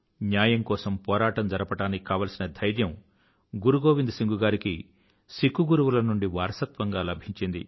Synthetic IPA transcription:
njaːjɐŋkɔːsɐmpɔːɾaːʈɐmd͡ʒɐɾɐpɐʈaːnːiikaːʋɐːlsinɐd̪ʱɐjɾjɐm | ɡuɾuɡoːʋind̪usiŋɡuɡaːɾiki | sikuɡuɾuʋulɐnuɳɖiʋaːɾɐsɐt̪ʋɐŋɡaːlɐbʱiɲt͡ʃind̪ḭ

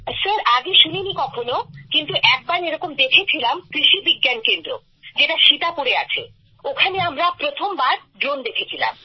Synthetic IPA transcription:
səɾaɡeʃuninikɔkʰonokint̪uʔɛk̚baɾeɾɔkomd̪ekʰet͡ɕʰilamkɾiʃibiɡːankend̪ɾo̰ | d͡ʑeʈaʃit̪akoɾea̰t͡ɕʰḛ | okʰaneamɾapɾot̪ʰombaɾ | ɖɾond̪ekʰet͡ɕʰila̰m

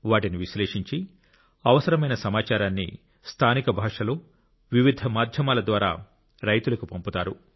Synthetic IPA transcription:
ʋaːʈiniʋiʃleːʂiɲt͡ʃi | ɐʋɐsɐɾɐmɐjnɐsɐmaːt͡ʃaːɾaːnːḭ | st̪ʰaːnikɐbʱaːʂɐlo̞ː | ʋiʋid̪ʱɐmaːd̪ʱjɐmaːlɐd̪ʋaːɾa̰ː | ɾɐjt̪ulɐkupɐmput̪aːɾu

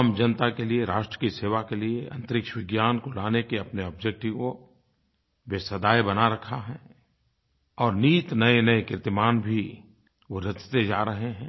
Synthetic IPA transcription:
md͡ʒɐnət̪akelieɾaːʃʈɾəkiseːʋakelieɐ̰̃nt̪əɾɪkʃəʋɪɡjaːnkolaːnekeɐpneɔːbd͡ʒek̚ʈiko | beːsəd̪aːjbɐnaɾɐkʰaɦɛː | ɔːɾniːt̪nɐenɐekɪɾt̪ɪmaːnbʱi | ʋoɾɐt͡ʃt̪ed͡ʒaːɾɐɦeɦɛ̃ː

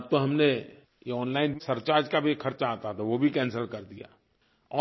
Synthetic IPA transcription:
ɐb̚t̪oɦɐmne | jeɔːnlaːɪnsɐɾt͡ʃaːd͡ʒkabʱikʰɐɾt͡ʃaːt̪at̪ʰaʋobʱikɛ̃ːnsəlkɐɾd̪ija̰ː | ɔː

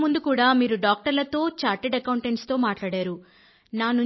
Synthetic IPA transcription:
mund̪ukuːɽaːmiːɾuɖaːk̚ʈɐɾlɐt̪o̞ːt͡ʃaːɾʈeɖɐkɐwuɳʈeɳʈst̪o̞ːmaːʈlaːɽaːɾu | naːnu

